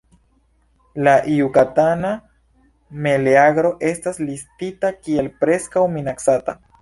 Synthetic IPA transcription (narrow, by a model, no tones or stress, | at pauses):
laʔiukatana | me̞leaɡɾo̞ʔe̞staslistitakie̞lpɾe̞skawminaksata̰